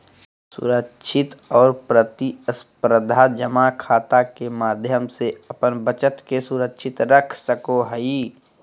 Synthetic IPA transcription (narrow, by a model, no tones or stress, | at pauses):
sʊ̰ɾəkʃʰɪt̪ɔːɾpɾət̪iəspɾəd̪ʱad͡ʒəmakʰaːt̪akemaːd̪ʱjəmseɐpənbət͡ʃət̪kesuɾəkʃʰɪt̪ɾəkʰsəkoɦəi